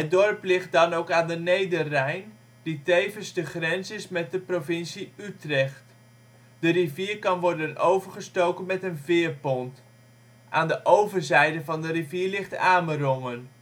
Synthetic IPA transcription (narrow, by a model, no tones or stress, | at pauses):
ɦət̚dɔɹplɪχt̚dɑnowkaːndənejdərɛjn | ditejvənzdəχrɛnsɪsmɛt̚dəprovɪnsiytrɛχt | d̥əriviːɹkɑnʋɔɹdənʔowvəɹχəstowkənmɛtənvɪːɹpɔnt | ʔaːndəʔowvəɹzɛjdəvɑndəriviːɹlɪχtaːmərɔŋən